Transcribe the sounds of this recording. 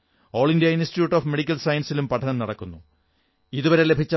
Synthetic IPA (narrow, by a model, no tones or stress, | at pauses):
oːɭindijɐinstitjuːʈːoːfme̞ɽikʲːɐlsɐjɐnsilumpɐʈʰɐnɐmnɐɽɐkːunːu | iðuʋɐɾe̞le̞bʱit͡ɕːɐ